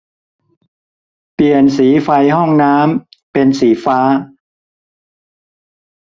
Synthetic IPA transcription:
pli˨˩ənsiː˩˦fa˧jɦɔ˥˩ŋnaː˦˥mpe˧nsiː˩˦faː˦˥

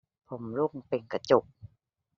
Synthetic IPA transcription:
pʰo˨˧˦mlu˥˩ŋpe˧ŋka˧˩t͡ɕu˨˩k̚

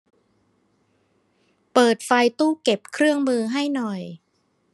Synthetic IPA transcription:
pɤː˨˩t̪̚fa˧jt̪uː˥˩ke˨˩p̚kʰɾɯ˥˩əŋmɯː˧ɦa˥˩jnɔ˨˩j

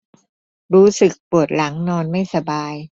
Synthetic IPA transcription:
ɾuː˦˥sɯ˨˩k̚pu˨˩ət̪̚la˩˦ŋnɔː˧nma˥˩jsa˧baː˧j

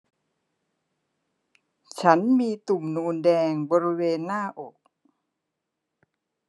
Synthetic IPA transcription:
t͡ɕʰa˦˥nmiː˧t̪u˨˩mnuː˧ndɛː˧ŋbɔː˧ɾi˦˥weː˧nːaː˥˩ʔo˨˩k̚

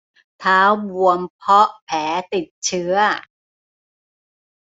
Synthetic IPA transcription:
t̪ʰaː˦˥wbu˧əmpʰɔ˦˥ʔpʰɛː˩˦t̪i˨˩t̪̚t͡ɕʰɯ˦˥ɐ

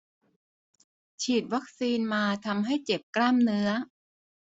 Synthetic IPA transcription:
t͡ɕʰiː˨˩t̪̚wa˦˥k̚siː˧nmaː˧t̪ʰa˧mɦa˥˩jt͡ɕe˨˩p̚klaː˥˩mnɯ˦˥ɐ

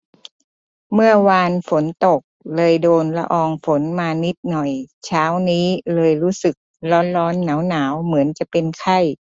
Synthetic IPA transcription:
mɯ˥˩ɐwaː˧nfo˩˦nt̪o˨˩k̚lɤː˧jdoː˧nla̰˧ʔɔː˧ŋfo˩˦nmaː˧ni˦˥t̪̚nɔ˨˩jt͡ɕʰaː˦˥wniː˦˥lɤː˧jɾuː˦˥sɯ˨˩k̚lɔː˦˥nɾɔː˦˥nːaː˩˦wnaː˩˦wmɯ˩˦ənt͡ɕa˨˩ʔpe˧nkʰa˥˩j

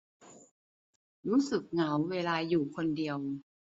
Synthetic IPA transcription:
ɾuː˦˥sɯ˨˩k̚ŋa˩˦wweː˧laː˧juː˨˩kʰo˧ndi˧əw

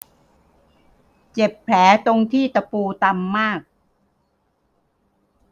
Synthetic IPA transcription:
t͡ɕe˨˩pʰːlɛː˩˦t̪o˧ŋt̪ʰiː˥˩t̪a˧puː˧t̪a˧mːaː˥˩k̚

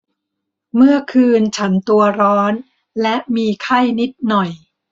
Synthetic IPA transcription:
mɯ˥˩ɐkʰɯː˧nt͡ɕʰa˦˥nt̪u˧ɐɾɔː˦˥n | lɛ˦˥ʔmiː˧kʰa˥˩jni˦˥t̪̚nɔ˨˩j

